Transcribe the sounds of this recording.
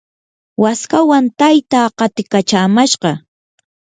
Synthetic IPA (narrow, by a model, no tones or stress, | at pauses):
waskawant̪ajt̪aːɢɑt̪ɪkat͡ʃaːmaʃɢɑ